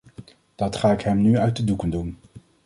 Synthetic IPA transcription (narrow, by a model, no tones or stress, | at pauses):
d̥ɑtχaːɪkɦɛmnyœɥt̚dədukəndun